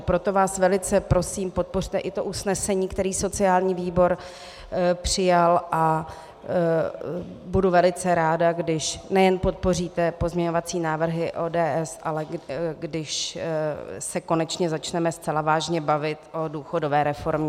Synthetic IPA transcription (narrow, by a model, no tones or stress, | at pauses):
pɾo̞t̪o̞vaːsvɛlɪt͡sɛpɾo̞siːmpo̞t̪̚po̞r̝t̪ɛʔɪt̪o̞ʔusnɛsɛɲiːkt̪ɛɾiːso̞t͡sɪaːlɲiːviːbo̞ɾ | pr̝̥ɪjalʔa | buduvɛlɪt͡sɛɾaːdaɡdɪʃnɛjɛnpo̞t̪̚po̞riːt̪ɛpo̞zmɲɛɲovat͡siːnaːvr̩ɦɪʔoːdɛːʔɛsʔalɛɡdɪʃ | sɛko̞nɛt͡ʃɲɛzat͡ʃnɛmɛst͡sɛlavaːʒɲɛbavɪt̪ʔo̞duːxo̞dovɛːɾɛfo̞ɾmɲɛ